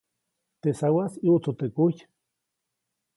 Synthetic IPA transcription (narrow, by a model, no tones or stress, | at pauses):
t̪esawasiot͡sot̪ekuj